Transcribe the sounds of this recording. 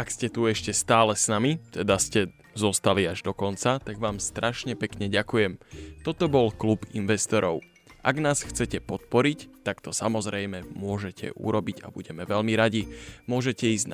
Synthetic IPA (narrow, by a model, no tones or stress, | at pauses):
akscɛt̪uɛʃcɛst̪aːlɛsnamit̪ɛd̪ascɛ | zɔst̪aliaʒd̪ɔkɔnt͡sat̪aɡʋaːmst̪ɾʔaʃɲɛpɛkɲɛɟakujɛmt̪ɔt̪ɔbɔlklubinʋɛst̪ɔɾɔʊ | ʔa̰ɡnaːsxt͡sɛcɛpɔt̪̚pɔɾict̪akt̪ɔsamɔzɾɛjmɛmʊɔʒɛcʰɛ̰ʔṵɾɔbiɟa̰bṵɟɛmɛʋɛʎmiɾaɟimʊɔʒɛcɛiːzn